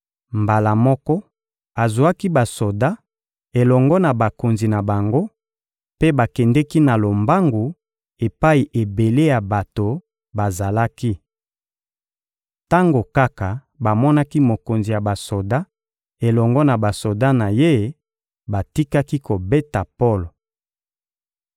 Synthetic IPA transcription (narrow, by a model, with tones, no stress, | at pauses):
mba˨la˨mɔ˦kɔ˦ | a˨zu˨a˦ki˦ba˨so˨da˦ | e˨lɔ˨ŋɡɔ˦na˨ba˨ko˨nzi˨na˨ba˨ŋɡo˦ | pe˦ba˨kɛ˨ndɛ˦ki˦na˨lo˨mba˦ŋɡu˨ | e˨pa˦i˨ʔe˨be˨le˦ja˨ba˨to˨ | ba˨za˨la˦ki˦ | ta˦ŋɡo˨ka˦ka˨ | ba˨mɔ˦na˦ki˦mo˨ko˨nzi˨ja˨ba˨so˨da˦ | e˨lɔ˨ŋɡɔ˦na˨ba˨so˨da˦na˨je˦ | ba˨ti˦ka˦ki˦ko˨be˦ta˨po˦lo˨